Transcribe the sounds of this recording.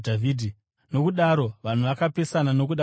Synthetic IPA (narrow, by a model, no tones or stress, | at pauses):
dʱaviːdʱi | no̞kuɗaɾo̞ʋan̤uʋakape̞sanano̞k̬uɗa